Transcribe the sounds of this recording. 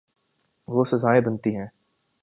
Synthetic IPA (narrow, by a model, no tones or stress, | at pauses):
ʋoːsɐzaːebɐnt̪iɦɛ̃ː